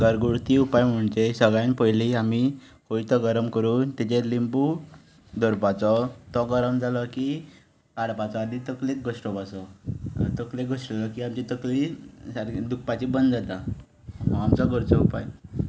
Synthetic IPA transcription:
ɡəɾɡuɽt̪iupajm̤əɳt͡ɕesəɡɭjãnpəjliami | koit̪ɔɡəɾəmkəɾuːnt̪it͡ɕelimbu | d̪ʱɔɾpat͡sɔt̪ɔɡəɾəmd͡zalɔki | kaɽpat͡sɔːd̪it̪əklek̚ɡosʈɔpasɔ̰t̪əklekɡʱosʈd͡zalɔkiamt͡ɕit̪əklisaɾd̪uk̚pat͡ɕibənd̪d͡zat̪a | amt͡saɡəɾt͡sɔupaj

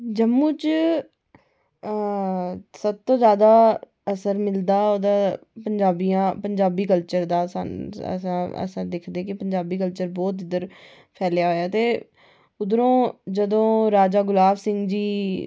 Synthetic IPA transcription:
d͡ʒəmːũːt͡ʃ | səb̚t̪õːzjaːd̪aː | əsəɾmɪld̪aːoːd̪aːpəɲd͡ʒaːbijãːpəɲd͡ʒaːbiːkəlt͡ʃəɾd̪aːsa̰ə̰sãːə̰sə̃ɾd̪ɪkʰd̪eːkɪpəɲd͡ʒaːbiːkəlt͡ʃəɾbɔːt̪ɪd̪əɾ | pʰɛːljaːɦoːjaːt̪eː | ʊd̪ɾõːd͡ʒəd̪õːɾaːd͡ʒaːɡʊlaːʋsɪŋɡd͡ʒiː

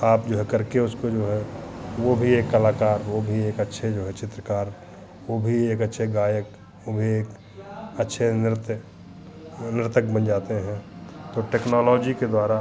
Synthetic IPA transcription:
aːp̚d͡ʒoːɦɛkɐɾkeʊskod͡ʒoːɦɛʋobʱieːkːəlaːkaːɾʋobʱieːkətːʃʰed͡ʒoːɦɛt͡ʃɪt̪ɾəkaːɾ | wobʱieːkətːʃʰeɡaːjək | ʋobʱieːk | ətːʃʰenɪɾt̪ | nɪɾt̪ək̚bənd͡ʒaːt̪eɦɛ̃t̪oːʈeːknɔːlɔːd͡ʒiked̪waːɾa

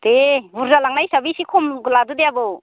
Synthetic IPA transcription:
t̪ebuɾzalaŋnajsaɾbisikʰɔmɡuladud̪eabɯw

